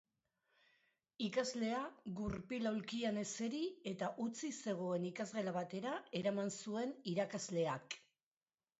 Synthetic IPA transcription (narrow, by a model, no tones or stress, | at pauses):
ikazle̞aɣuɾpilawlkiane̞se̞ɾie̞t̪aʔut͡sise̞ɣ̞o̞e̞nikazɣelaβ̞at̪e̞ɾae̞ɾamansue̞niɾakazle̞ak